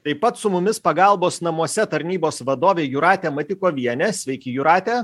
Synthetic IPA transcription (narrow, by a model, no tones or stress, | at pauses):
t̪ɐɪpɐt̪sʊmʊmʲɪspɐɡɐlˠboːsnɐmuɔsʲɛt̪ɐɾʲnʲiːboːsʋɐd̪oːʋʲeːjʊɾɑːt̪ʲɛːmɐt̪ʲɪkoːʋʲiɛnʲɛsʲʋʲɛɪkʲɪjʊɾɑːt̪ʲɛː